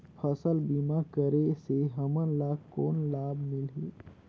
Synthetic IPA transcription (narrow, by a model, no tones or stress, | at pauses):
pʰəsəlbimakəɾeseɦəmənlaːkoːnlaːbmɪlɦiː